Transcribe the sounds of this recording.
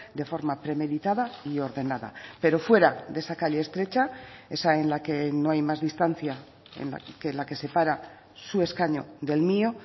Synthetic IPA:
d̪e̞fo̞ɾmapɾe̞me̞ðit̪aðaio̞ɾðe̞naða̰pe̞ɾo̞fwe̞ɾaðe̞sakaʎeest̪ɾe̞t͡ʃae̞sae̞nlake̞no̞ajmazðist̪an̟θja | ḛna̰kelake̞se̞paɾa | sue̞skaɲo̞̰ðe̞lmio̞

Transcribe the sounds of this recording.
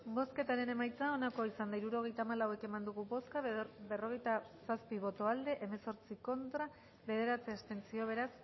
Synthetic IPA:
bo̞ske̞t̪aɾe̞ne̞majt͡sao̞nako̞isand̪aiɾuɾo̞ɣ̞e̞jt̪aːmalawe̞ke̞mand̪uɣubo̞skabe̞ro̞ɣ̞e̞jt̪asaspiβ̞o̞t̪o̞ald̪e̞ʔeme̞so̞ɾt͡siko̞nt̪ɾa | βe̞ð̞e̞ɾat͡seast̪e̞nt͡sio̞β̞e̞ɾas

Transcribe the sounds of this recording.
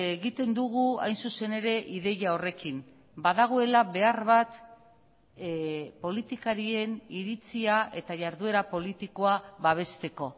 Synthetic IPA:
eɣit̪e̞nd̪uɣ̞ua̰jnsuse̞ne̞ɾe̞ʔiðe̞jao̞re̞kim | baðaɣ̞o̞e̞laβe̞arβat̪ | po̞lit̪ikaɾie̞niɾit͡siae̞t̪aʝaɾðue̞ɾapo̞lit̪iko̞aβaβ̞e̞st̪e̞ko̞

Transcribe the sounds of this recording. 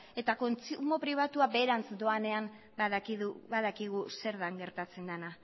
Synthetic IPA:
e̞t̪ako̞nt͡sumo̞pɾiβ̞at̪uabe̞ːɾant͡sd̪o̞ane̞am | baðkiðuβaðakiɣ̞use̞ɾðaŋɡe̞ɾt̪at͡se̞nd̪ana

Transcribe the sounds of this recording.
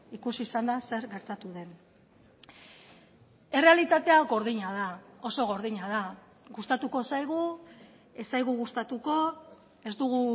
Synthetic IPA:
ikusisand̪ase̞ɾɣe̞ɾt̪at̪uðe̞n | e̞re̞alit̪at̪e̞aɡo̞ɾðiɲað̞ao̞so̞ɣ̞o̞ɾðiɲað̞a | ɣust̪at̪uko̞sajɣ̞u | esajɣuɣust̪at̪uko̞ | e̞zd̪uɣu

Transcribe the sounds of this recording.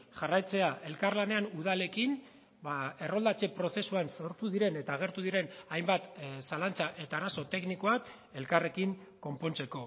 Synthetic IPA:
ʝarajt͡se̞aʔe̞lkarlane̞anuð̞ale̞kin | bae̞ro̞ld̪at͡se̞pɾo̞θe̞suanso̞ɾt̪uðiɾe̞ne̞t̪aːɣ̞e̞ɾt̪uðiɾe̞najmbat̪salant͡saʔe̞t̪aːɾaso̞t̪e̞kniko̞ak | e̞lkare̞kiŋko̞mpo̞nt͡se̞ko̞

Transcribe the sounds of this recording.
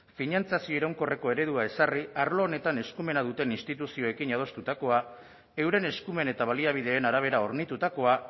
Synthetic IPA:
finant͡sasio̞iɾawŋko̞re̞ko̞e̞ɾe̞ð̞uae̞sariaɾlo̞ːne̞t̪ane̞skume̞naðut̪e̞ninst̪it̪usio̞e̞kinað̞o̞st̪ut̪ako̞a | e̞wɾe̞ne̞skume̞ne̞t̪aβ̞aliaβ̞ið̞e̞ːnaɾaβ̞e̞ɾaoɾnit̪ut̪ako̞a

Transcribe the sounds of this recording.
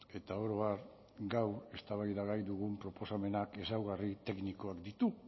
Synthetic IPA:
e̞t̪aoɾoβaɾ | ɡawe̞st̪aβajðaɣajðuɣ̞umpɾo̞po̞same̞nake̞sawɣarit̪e̞kniko̞akd̪it̪u

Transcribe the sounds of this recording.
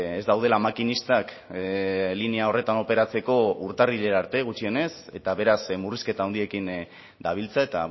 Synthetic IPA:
ezd̪awð̞e̞lamakinist̪ak | lineao̞re̞t̪ano̞pe̞ɾat͡se̞ko̞uɾt̪ariʎe̞ɾaɾt̪e̞ɣ̞ut͡ʃio̞ne̞se̞t̪aβe̞ɾasmuriske̞t̪aond̪ie̞kin | d̪aβ̞ilt͡sae̞t̪a

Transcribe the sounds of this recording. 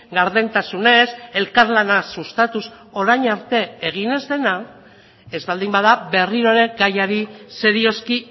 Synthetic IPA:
ɡaɾðent̪asune̞se̞lkaɾlanasust̪at̪us | o̞ɾajɲaɾt̪e̞eɣ̞ine̞zðe̞na | e̞zβald̪imbaðabe̞riɾo̞ɾe̞ɡajaɾise̞ɾio̞ski

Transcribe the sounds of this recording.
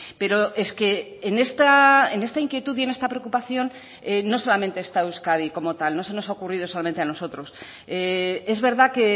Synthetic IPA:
pe̞ɾo̞ʔe̞ske̞ːnest̪aene̞st̪aiŋkje̞t̪uðie̞ne̞st̪apɾeokupaθjo̞n | eːoso̞lamẽ̞nt̪eːst̪aewskaðiko̞mo̞t̪alno̞se̞no̞sao̞kuriðo̞so̞lame̞nt̪eano̞so̞t̪ɾo̞s | ee̞zβe̞ɾðake

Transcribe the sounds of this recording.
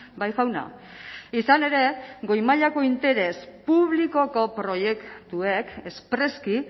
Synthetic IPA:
bajxawna̰ | isane̞ɾe̞ɡo̞jmaʎako̞int̪e̞ɾe̞spuβliko̞ko̞pɾo̞je̞kt̪ue̞ke̞spɾe̞ski

